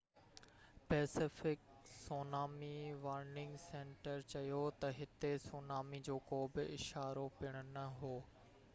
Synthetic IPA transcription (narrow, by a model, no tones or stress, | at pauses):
pɛːsɪfɪk | soːnaːmiʋaːɾnɪ̃ŋɡsẽːɳʈəɾt͡ɕɐjot̪ɐɦɪt̪esoːnaːmid͡ʑoːkoːbɪɪʃaːɾopɪɽ̃ʊnɐɦoː